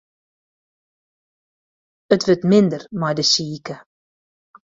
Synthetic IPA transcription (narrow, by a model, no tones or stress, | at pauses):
ətʋøtmɪndərmajdəsiːkə